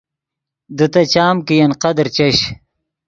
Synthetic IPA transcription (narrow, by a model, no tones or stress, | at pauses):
d̪ɨt̪ɐt͡ɕaːmkijɐnqɐd̪ɾt͡ɕɐɕ